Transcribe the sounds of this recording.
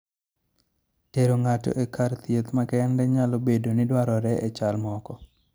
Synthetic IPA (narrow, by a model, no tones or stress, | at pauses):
teɾoŋatɔ̰ʔekʰaɾt̪jet̪makɛɛndɛɲalobedonidwaɾɔɾɛʔet͡ʃalmɔkɔ